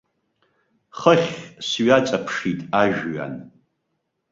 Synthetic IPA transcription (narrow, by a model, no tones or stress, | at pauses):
χəχʲsɥat͡sʼapʰʂitʼaʒᶣɥa̰n